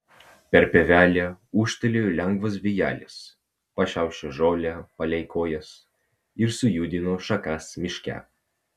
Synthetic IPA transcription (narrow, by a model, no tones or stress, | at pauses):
pʲɛɾpʲeʋʲæːlʲeuːʃʲt̪ɐlʲeːlʲɛŋɡʋɐs̬ʋʲɪjæ̰ːlʲɪs | pɐʃʲæˑʊʃʲt͡ʃʲoʒoːlʲɛpɐlʲɛɪkoːjɛs | ɪɾsʊjuːd̪ʲɪnoːʃɐkɐsmʲɪʃʲkʲæ̰